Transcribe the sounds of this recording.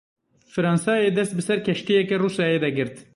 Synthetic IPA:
fɨɾɑːnsɑːjeːd̪ɛst̪̚bɨsɛɾkʰɛʃt̪ijɛkɛruːsɑːjeːd̪ɛɡɨɾt̪

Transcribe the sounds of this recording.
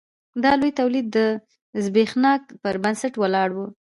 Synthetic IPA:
d̪ɑlojt̪awlid̪ːə | zbexnɑk̚pəɾbansaʈwalɑɽwu

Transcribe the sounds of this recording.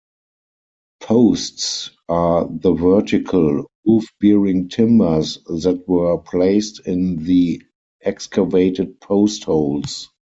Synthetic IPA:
pʰoʊsts | ʔaðəvɜ˞tɪkʰəl | ufbɛɹɪ̃ŋtʰɪ̃mə˞sðætwɜ˞pʰleɪstɪ̃nði | ʔɛkskʰəveɪtəd̚pʰoʊsthoʊls

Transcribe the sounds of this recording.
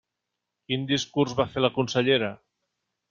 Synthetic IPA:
kind̪iskuɾzβafeɾlakunseʎeɾa

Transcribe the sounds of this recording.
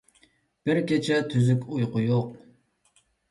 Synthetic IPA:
b̥ɪɾkʲet͡ʃʰɛt̪ʰyzykʲujqʊjoq

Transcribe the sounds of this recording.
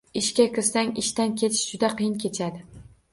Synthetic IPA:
ɪʃkʲakʲɪɾsaŋʲɪʃt̪ankʲʰe̞t͡ʃʰd͡ʒʊd̪aqʰɨjɪnkʲʰe̞t͡ʃʰad̪ɪ

